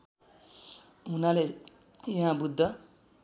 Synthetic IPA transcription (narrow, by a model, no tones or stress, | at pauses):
ɦunale | jʌɦãbud̪ʱːʌ